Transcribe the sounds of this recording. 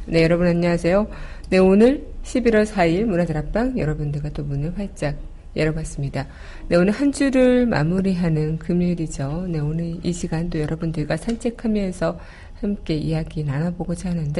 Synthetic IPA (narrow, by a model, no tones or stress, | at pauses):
ne̞jʌɾʌbɯnaɲːʌasʰe̞jo | ne̞onɯɭɕʰibiɾwʌɭsʰaiɭmunadɯɾap͈aŋjʌ̰ɾʌbundɯɭɡat͈omunɯɭɸwaɭt͡ɕ͈aɡ̚ | jeɾʌbas͈ɯmɲida | ne̞onɯɭhand͡ʑuɾɯɭma̰muɾiɦanɯnkɯmjuɾid͡ʑone̞onɯniɕʰiɡant͈ojʌɾʌbundɯɭɡasʰant͡ɕʰe̞kʰamjʌnsʰʌ | hamk͈e̞ijaɡinanaboɡod͡ʑaɦanɯnde̞